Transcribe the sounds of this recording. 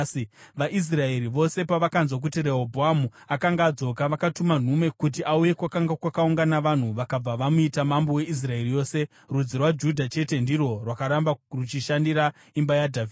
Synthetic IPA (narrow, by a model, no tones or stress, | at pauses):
iʋaʔis̬rae̞ɾiʋo̞se̞paʋakanzwak̬utire̞ɦobʱoamuakaŋɡaːd͡zo̞kaʋakatuman̤ume̞kut̬iʔauje̞kwakaŋɡakwakauŋɡanaʋan̤uʋakab͡vaʋamuitamambowe̞ʔis̬rae̞rijo̞ːse̞ | rud͡zirwad͡ʒudʱat͡ʃe̞te̞ndiro̞rwakaɾambarut͡ʃiʃandiɾa | imbajadʱavidd